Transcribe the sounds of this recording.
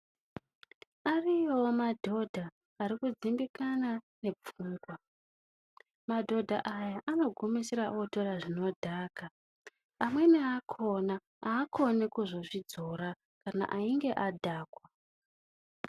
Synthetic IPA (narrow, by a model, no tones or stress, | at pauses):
arijomadʱo̞dʱaː | ɾikud͡zimbikanane̞p͡fuːŋɡwa | madʱo̞dʱa̰ʔajaʔano̞ɡʱomiseɾaʔoto̞ɾaʐino̞dʱaːka | amwe̞neakʰo̞na | aːkʰo̞nekuʐo̞ʐid͡zo̞ɾa | kana̰ʔaiŋɡe̞ʔadʱaːkwa